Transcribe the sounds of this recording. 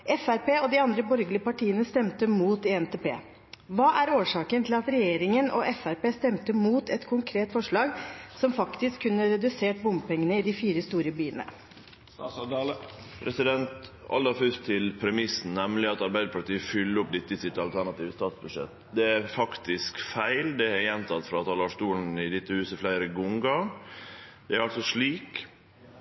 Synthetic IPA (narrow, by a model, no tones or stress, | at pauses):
ʔɛfæɾpeːɔd̪ɪɑnd̪ɾəbɔɾɡəɭɪəpɑʈʰiːənəst̪ɛmt̪əmuːt̪ɪɛnt̪ʰeːpeː | ʋɑːʔæɾoːʂɑːkənt̪ʰɪlɑt̪ɾɛjeːɾɪŋənʔɔ̰ʔɛfæɾpeːst̪ɛmt̪əmuːt̪ɛt̪kʰʊŋkʰɾeːt̪fɔʂɭɑːɡsɔmfɑkt̪ɪskʰːʉnːəɾɛd̪ʉseːʈ̚bʊmbpɛŋːənəɪd̪ɪfiːɾəst̪uːɾəbyːənə̰ | pʰɾɛsɪd̪ɛnt̪ | ɑ̰ld̪ɑfʉst̪ʰɪlpʰɾɛmɪsn̩nɛmlɪɑt̪ɑɾbæɪd̪əpɑʈ̪iːəfʏlːəɾʊp̚d̪ɪt̪ːəɪsɪt̪ɑlt̪ʰæɳɑt̪iːʋəst̪ɑːt̪sbʉʂɛ̰t̪d̪ɛæɾfɑkt̪ɪskfæɪld̪ɛæɾjɛnt̪ʰɑt̪fɾɑɑt̪hɑlɑʂt̪uːln̩ɪd̪ɪt̪ːəhʉːsəflæɪɾəɡʊŋɡɑ | d̪ɛæɾɑlsɔʂɭiːk